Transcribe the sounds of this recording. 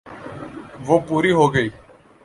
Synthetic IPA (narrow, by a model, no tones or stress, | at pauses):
ʋoːpuːɾiːɦoːɡəiː